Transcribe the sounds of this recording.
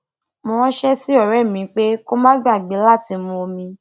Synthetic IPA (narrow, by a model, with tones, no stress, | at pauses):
mõ˧wɔ̃˦ʃɛ˦si˦ɔ˦˨ɾɛ˦˨mĩ˨˦k͡pe˦ko˦mã˦ɡ͡ba˦˨ɡ͡be˨˦la˦˨ti˧˦mũ˧o˧mĩ˧